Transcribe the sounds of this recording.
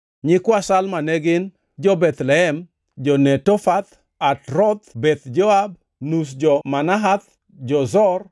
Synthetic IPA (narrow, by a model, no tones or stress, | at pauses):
ɲɪkwasalmanɛɡɪn | d͡ʒɔbɛt̪lɛɛm | d͡ʒɔnɛtɔfat̪ | atɾɔt̪bɛt̪d͡ʒɔab̚ | nus̬d͡ʒɔmanaɦat̪̚ | d͡ʒɔzɔr